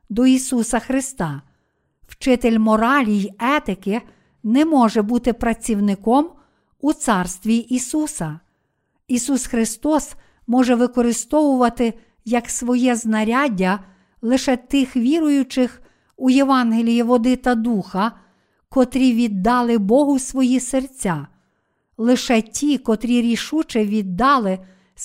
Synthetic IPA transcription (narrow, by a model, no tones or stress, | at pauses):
d̪ɔisusɐxɾɪst̪ɑ | wt͡ʃɪt̪elʲmɔɾɑlʲijɛt̪ɪkɪ | nɛmɔʒɛbut̪ɪpɾɐt͡sʲiwnɪkɔm | ut̪sɑrst̪ʋʲiʔisusɐ | isusxɾɪst̪ɔs | mɔʒɛʋɪkɔɾɪst̪ɔʋʊʋɐt̪ɪ | jɐksʋɔjɛznɐɾʲɑdʲɐ | lˠɪʃɛt̪ɪxʋʲiɾʊjʊt͡ʃɪx | ujeʋɑnɦelʲijiʋɔd̪ɪt̪ɐd̪uxɐ | kɔt̪ɾʲiʋʲid̪ːɑlˠɪbɔɦʊsʋɔjisert͡sʲːa | lˠɪʃɛtʲikɔt̪ɾʲiɾʲiʃut͡ʃɪʋʲid̪ːɑlˠɪ